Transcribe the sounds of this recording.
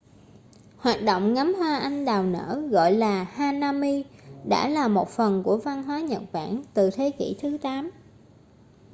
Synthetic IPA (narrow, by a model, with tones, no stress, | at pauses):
hwaː˨˩t̚ɗo̰˧˨wŋ͡mŋa˨˦mɦwaː˧ʔa˧jŋ̟ɗaː˨˩wnə̰ː˧˥ɣɔ̰˧˨jlaː˨˩haː˧naː˧mi˧ɗa̰ː˧˥laː˨˩mo˨˩t̚fə˨˩nku˧˩əva˧nɦwaː˨˦ɲə˨˩t̚ɓa̰ː˧˩nt̪ɨ˨˩t̪ʰe˨˦kḭ˧˩t̪ʰɨ˨˦t̪aː˨˦m